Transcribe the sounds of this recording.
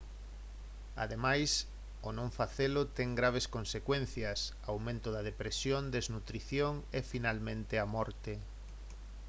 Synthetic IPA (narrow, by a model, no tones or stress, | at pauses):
a̰ðemajs | onõɱfaθelʊt̪ɛŋɡɾaβeskonsekwenθjɐs | awmẽnt̪ʊðɐðepɾesjond̪eznut̪ɾiθjoŋefinalmẽnt̪eamɔɾt̪e